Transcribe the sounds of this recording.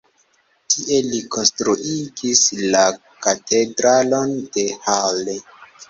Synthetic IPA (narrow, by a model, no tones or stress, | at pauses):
tʰiʔe̞likʰo̞nstɾuʔiɡisla | katʰe̞dɾalo̞nde̞hale